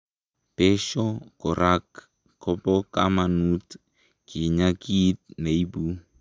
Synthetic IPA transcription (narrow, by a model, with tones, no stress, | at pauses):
pɛ˦ʃɔ˦kɔ˨ɾʔa˦kː | ɔ˦pɔ˦ka˦manu˦t | ki˨ɲa˦ki˦t̪̚ne˨i˦bu˦